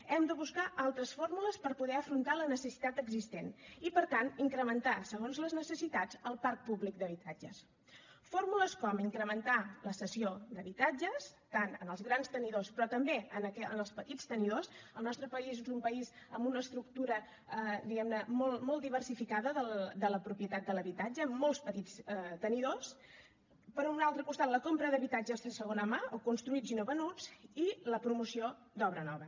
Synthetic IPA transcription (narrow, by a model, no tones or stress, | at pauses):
ɛmd̪əβuskaʔalˠt̪ɾəsfoɾmuləspəɾpuðɛəfɾunt̪alənəsəsi̥t̪at̪əɡzist̪enipəɾt̪aniŋkɾəmənt̪asəɣ̞onzləznəsəsit̪ad͡zəlˠpark̚puβlik̚d̪əβit̪ad͡ʒəs | foɾmuləskɔmiŋkɾəmənt̪aləsəsiod̪əβit̪ad͡ʒəst̪anənəlˠzɣɾanst̪əniðospɾɔt̪əmbeənəkɛənəlˠspət̪it͡st̪əniðosəlˠnɔst̪ɾəpəizezumpəizəmbunəːst̪ɾuk̚t̪uɾə | əd̪iɣɛmnəmɔlˠmɔlˠtd̪iβərsifikaðəðəld̪ələpɾupjət̪at̪̚d̪ələβit̪ad͡ʒəːmːɔlˠspət̪it͡sət̪əniðos | pəɾɔunalˠt̪ɾəkust̪at̪ləkompɾəðəβit̪ad͡ʒəzðəsəɣ̞onəmaokunst̪ɾuid͡zinuβənut͡siləpɾumusio | d̪ɔβɾənɔβə